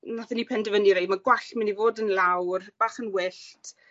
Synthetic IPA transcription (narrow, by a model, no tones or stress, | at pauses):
naθɛnipʰɛndəvəniɾejdmaɡwaɬmɪnivoːdənlˠawrb̥aːχənwɪɬtʰ